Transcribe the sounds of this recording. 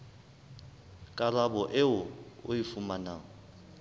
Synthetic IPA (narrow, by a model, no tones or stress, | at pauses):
kʼalabɔʔɪʊʊ̰ifumanaː